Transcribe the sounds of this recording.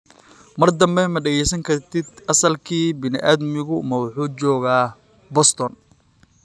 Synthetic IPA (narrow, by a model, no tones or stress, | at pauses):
mɐrd̪ɐmbɛmɐɖɛɣɛjsɐŋkʰɐrt̪ʰɪd̪ɐsɐlkʰiːbɪnɪ̰ʔaːd̪mɪɣʊmɐwʊħuːt͡ʃɔːɣaː | bɔst̪ʰɔn